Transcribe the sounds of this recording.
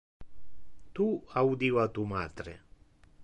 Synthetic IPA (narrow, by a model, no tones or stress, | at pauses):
t̪uawd̪iwat̪umat̪ɾḛ